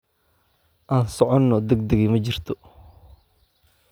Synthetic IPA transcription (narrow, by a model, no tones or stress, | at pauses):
ʔaːnsɔʕɔnːɔd̪ɛɡ̚d̪ɛɣimɐt͡ʃɪrt̪ʰɔ